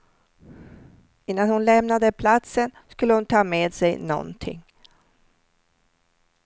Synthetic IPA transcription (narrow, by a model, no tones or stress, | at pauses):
ɪnːanhʊnlɛmnad̪əpʰlat̪sənskɵlːəhʊnt̪ʰɑːmeːd̪sɛjnɔ̰nt̪ʰɪ̰ŋː